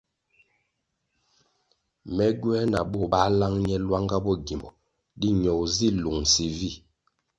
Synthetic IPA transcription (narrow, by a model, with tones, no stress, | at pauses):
mɛ˨ɡwɛ˦na̰˨ɓɔ˦˨ɓa˦la˦ŋɲɛ˦lwa˦ŋɡa˦bɔ˦˨ɡi˨mbɔ˨ | di˦ɲɔ˨wzi˦˨lu˨ŋsi˨vi˦˨